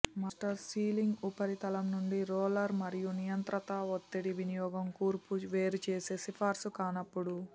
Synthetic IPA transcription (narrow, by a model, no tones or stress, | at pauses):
mɐsʈɐɾsiːliŋɡupɐɾit̪ɐlɐmnuɳɖiɾɔːlɐɾmɐɾijunijɐnt̪ɾɐt̪ɐʋot̪ːiɽiʋinijɔːɡɐmkuːɾpuʋeːɾut͡ʃeːseːsipʰaːɾsukaːnɐpːuɽu